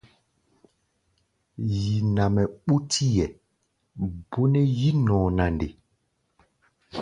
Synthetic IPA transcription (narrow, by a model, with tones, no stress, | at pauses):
ji˨na˨mɛ˨ɓu˦tʰi˦jɛ˨ | bo˦nɛ˦ji˦nɔ̃ː˨na˨ndḛ˨